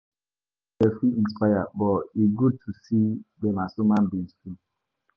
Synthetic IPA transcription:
dɛfiĩnspajabɔiɡud̚tʰusidɛmasumãnbĩŋzfi

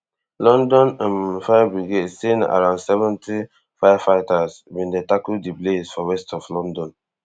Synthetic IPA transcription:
lɔ̃ndɔ̃nãnfajabiɡesĩna̰ɹãʊ̃ndsɛvɛ̃ntʰi | fajafaɪtasbĩndetakuldiplesfɔɹɛstɔflɔ̃ndɔ̃n

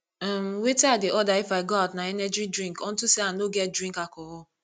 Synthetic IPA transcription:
amweteadeʔɔdaifaɪɡoaʊtnaɛnɛd͡ʒidɾĩŋkɔn̩tuseanoɡɛt̚dɾĩkakɔɔ

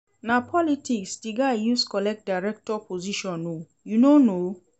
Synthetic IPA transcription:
napʰɔlitʰiksdiɡajuskɔlɛk̚t̚daɪɹɛk̚tɔpʰoziʃɔ̃no | junono

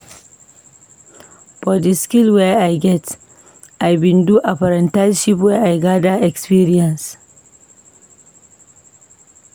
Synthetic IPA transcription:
bɔdiskilwɛʔajɡɛt | ʔajbɪnduʔaɸɐɾɐntajʃip̬wɛʔajɡadaʔɛkspiɾiɐns

